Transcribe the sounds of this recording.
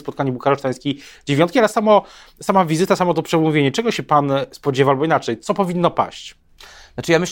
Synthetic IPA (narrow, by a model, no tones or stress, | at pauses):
spɔt̪̚kaɲɛbukaɾɔʂt̪aj̃skʲid͡ʑevʲjɔnt̪kʲialɛsamɔ | samavʲizɘt̪asamɔt̪ɔpʂɛmuvʲeɲɛt͡ʂɛɡɔɕɛpanspɔd͡ʑevaalbɔinat͡ʂɛjt̪sɔpɔvʲinːɔpa̰ɕt͡ɕ | nat͡ʂɘjamɘɕ